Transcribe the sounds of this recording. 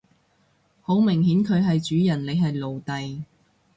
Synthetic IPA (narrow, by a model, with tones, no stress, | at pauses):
ho˨˥wmɪ˨˩ŋhiː˨˥nkʰɵ˨˧ɥɦɐ˨jt͡ʃyː˨˥jɐ˨˩nle˨˧jɦɐ˨jlo˨wt̪ɐ˨j